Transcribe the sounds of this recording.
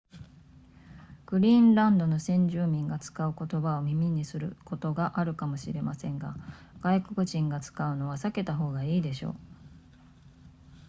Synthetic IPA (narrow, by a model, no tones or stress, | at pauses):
ɡ̥ɯ̟ɾʲĩːnɾãnd̪o̞no̞sẽ̞ɲ̟d͡ʑɨːmʲĩŋɡat͡sɨ̥kaɯ̟ko̞t̪o̞baomʲimʲiɲ̟isɨɾɯ̟ko̞t̪o̞ɡaʔaɾɯ̟kamo̞ɕḭɾe̞masẽ̞ŋɡa̰ | ɡ̥aiko̞kɯ̟ʑĩŋɡat͡sɨ̥kaɯ̟no̞β̞asake̞t̪aɦo̞ːɡaiːd̪e̞ɕo̞̰ː